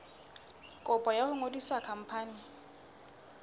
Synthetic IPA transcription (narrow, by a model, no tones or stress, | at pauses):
kʼʊpʼɔjahʊŋodisakʰam̩pʰaːnɪ